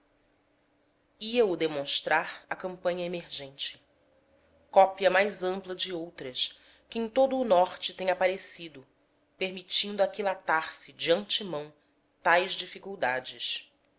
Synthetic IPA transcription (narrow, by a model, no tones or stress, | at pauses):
iɐʊd̪emõʃt̪ɾʔaɾɐkɐ̃mpɐ̃ɲɐemeɾʒẽnt͡ʃɪ̥ | kɔpiɐmajzɐ̃mplˠɐd͡ʒɪowt̪ɾɐʃ | kɪẽj̃t̪od̪ʊːnɔχt͡ʃɪt̪ẽɲapaɾesid̪ʊ | peɾmit͡ʃĩnd̪ʊakilat̪aɾsɪd͡ʒɪɐ̃nt͡ʃɪmɐ̃w̃ | t̪ajzd͡ʒifikuwd̪ad͡ʒɪʃ